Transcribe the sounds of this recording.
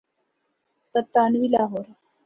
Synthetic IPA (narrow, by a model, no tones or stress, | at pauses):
t̪ət̪ːanʋilaɦoɾ